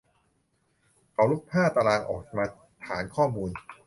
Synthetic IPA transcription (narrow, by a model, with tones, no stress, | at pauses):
ʔa˨˦wlu˦˥˩k̚pʰaː˥˩t̪a˧laː˧ŋʔɔ̰ː˨˩k̚maː˧ | t̪ʰaː˩˦nkʰɔː˥˩muː˧n